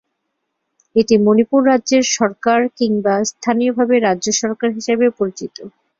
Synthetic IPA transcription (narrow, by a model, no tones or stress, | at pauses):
eʈimonipuɾːadːʑeɾʃɔɾkaɾkiŋbast̪ʰanijobʱabeɾadːʑoʃɔɾkaɾɦiʃebepoɾit͡ɕit̪o